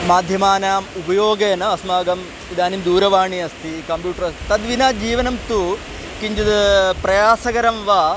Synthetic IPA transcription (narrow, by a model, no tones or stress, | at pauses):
maːd̪ʱjɐmaːnaːmubɐjoːɡɐːnɐɐsmaːɡɐm | id̪aːnimd̪uːɾɐʋaːɳiɐst̪ʰikɐmpjuːʈɐɾɐsit̪ɐd̪ʋinaːd͡ʒiːʋɐnɐmt̪u | kiɲd͡ʒɐd̪ɐpɾɐjaːsɐkɐɾɐmʋaː